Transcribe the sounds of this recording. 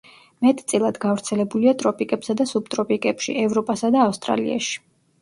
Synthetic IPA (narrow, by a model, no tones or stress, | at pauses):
mɛt̪ʼt̪sʼilˠad̪ɡavɾt̪sʰɛlɛbuliat̪ʼɾɔpʼikʼɛpsad̪asub̚t̪ʼɾɔpʼikʼɛpʃḭɛvɾɔpʼasad̪aːfst̪ʼɾa̰lḭa̰ʃi̥